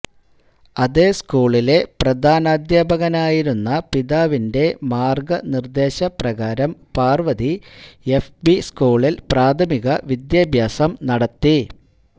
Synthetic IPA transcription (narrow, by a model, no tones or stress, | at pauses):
ɐðeːskuːɭile̞prɐd̪ʱaːnaːd̪jaːbʱɐɣɐnaːjiɾunːɐpiðaːʋinde̞maːrɡɐnird̪e̞ːɕɐprɐɣaːɾɐmpaːrʋɐðiefbiskuːɭilpraːd̪ʱʰɐmiɣɐʋid̪jaːbʱjaːsɐmnɐɽɐt̪ːi